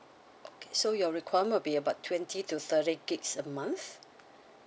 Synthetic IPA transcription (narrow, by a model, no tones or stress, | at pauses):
okʰe̥sojɔɹikʰwajəmə̃biəbatʰwɛ̃ntʰituθəɾiɡiksəmãnθ